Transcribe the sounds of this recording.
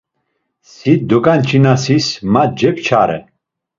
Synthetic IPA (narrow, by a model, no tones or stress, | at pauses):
sid̪ɔkʼant͡ʃʰinasismat̪̚d͡ʒɛkt͡ʃʰaɾɛ̰